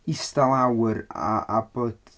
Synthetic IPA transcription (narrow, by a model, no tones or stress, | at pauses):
istalawɪɾa̰abod̥